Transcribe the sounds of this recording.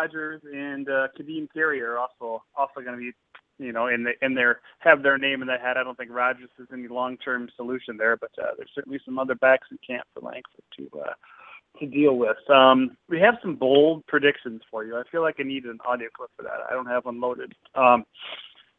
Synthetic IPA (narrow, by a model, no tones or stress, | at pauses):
ɑd͡ʒə˞zɨ̃nʌkʰɨdiɨ̃nkʰɪɹiə˞ɔlˠsoʊɔlˠsoʊɡʌnɨbi | jɨñoʊɨ̃nðɨʔɨ̃nðə˞hɨvðə˞nẽɪ̃m̃nðɨtɦɨɾaɪdõʊ̃nθɪ̃ŋkɹɑd͡ʒə˞zɨzɛnilɔ̃ŋtʰɜ̃˞msəlʉʃɨ̃nðə˞b̥ʌtʰʌ̰ðə̰˞z̥sɜ˞ʔn̩lisʌ̃mʌðə˞bæksn̩kʰæ̃mpfə̰˞læ̰̃ŋkfə˞tʰɨ̰ʌ̰ | tʰɨdilˠwɪð̥ʌ̃mwiɨv̥sʌ̃mboʊlˠd̚pʰɹ̥ɨdɪkʃɨ̃nz̥fə˞jʉaɪfilaɪkɨɪniɾɨɾɨ̃n̩ɑ̰ɾioʊkʰl̥ɪpfə˞ðæ̰taɪdõʊ̃nt̚hɨvʌ̃nloʊɾɨd̥̚ | ʌ̃m